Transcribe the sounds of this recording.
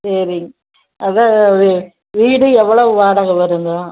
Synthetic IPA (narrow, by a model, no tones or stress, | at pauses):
sɐɾɪŋɡɐ | ʔɐðã | ʋiːɽɯɛʋːɐɭoʋaːɽaːɣɐʋɐɾɯnd̪aː